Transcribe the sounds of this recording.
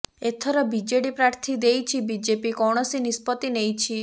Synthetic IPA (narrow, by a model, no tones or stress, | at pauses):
et̪ʰɔɾɔbid͡ʒeɽipɾaɾt̪ʰid̪ejt͡ʃʰibid͡ʒepikɔɽ̃ɔsinispɔt̪inejt͡ʃʰi